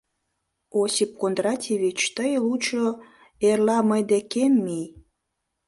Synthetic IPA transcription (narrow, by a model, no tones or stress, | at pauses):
osʲip̚kond̪rɑtʲeβit͡ɕt̪əjlut͡ɕo | erlɑməjd̪ekemːij